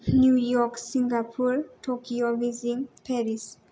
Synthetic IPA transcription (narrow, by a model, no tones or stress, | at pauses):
njujɔksĩŋɡapʰuɾtʰokiovizĩŋpʰɛɾis